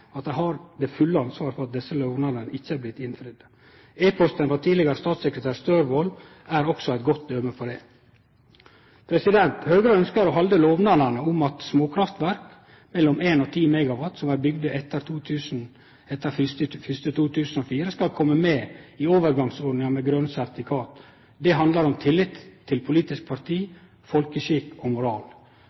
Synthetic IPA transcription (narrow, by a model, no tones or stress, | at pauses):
ɑt̪̚d̪æɪhɑɾd̪ɛːfʉlːəɑnsʋɑːɾfɔɾɑt̪̚d̪ɛsːəloːʋnɑd̪ənəɪçːəæːɾblɪt̪ːɪnfɾɪd̪ə | eːpʰɔst̪ənfɑt̪ʰiːlɪɡəɾəst̪ɑːt̪sɛkɾət̪ʰæːɾst̪øːɾʋoːl | æɾɔksɔæɪt̪ɡɔt̪ːd̪øːməfɔɖɛː | pʰɾɛsɪd̪ɛnt̪høːɡɾəœnskəɾɔɦɑld̪əloːʋnɑd̪əɳəʊmɑt̪smoːkʰɾɑft̪ʋæɾk | mɛlːɔmeːnot̪ʰiːmɛɡɑʋɑt̪sɔmæːɾbʏɡd̪əʔɛt̪ːəɾt̪ʰuːt̪ʰʉːsn̩ | ɛt̪ːəfəfʏst̪ət̪ʰuːt̪ʰʉːsn̩oːfiːɾəskɑlkʰɔmːəmeːiːoːʋəɾɡɑŋsoːɖnɪŋɑmɛɡɾœnsæɾt̪ɪkʰɑːt̪ | d̪ɛɦɑnd̪lɑɾɔmt̪ʰɪlːɪt̪t̪ʰːɪlpʰʊliːt̪ɪsk̚pʰɑɾt̪ʰiː | fɔlkəʃikoːmʊɾɑːl